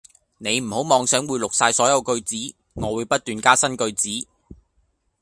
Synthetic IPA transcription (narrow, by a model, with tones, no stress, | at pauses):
ne˨˧jm̩˨˩ho˨˥wmɔː˨˧ŋsœː˨˥ŋwuː˨˧jlʊ˨k̚saː˧jsɔː˨˥jɐ˨˧wkɵ˧ɥt͡siː˨˥ | ŋɔː˨˧wuː˨˧jpɐ˥t̚t̪yː˨nkaː˥sɐ˥nkɵ˧ɥt͡siː˨˥